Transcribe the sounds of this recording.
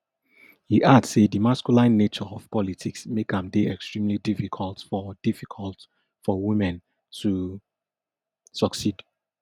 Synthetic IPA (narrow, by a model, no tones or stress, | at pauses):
hiʔadsedimaskulãɪnːet͡ʃɔɔv̥pɔlitʰiksmekãmdeɛkstɹ̥ĩmlidifikʰɔlˠtfɔd̥ifikʰɔlt | fɔwimɛ̃n | tʰu | sɔksid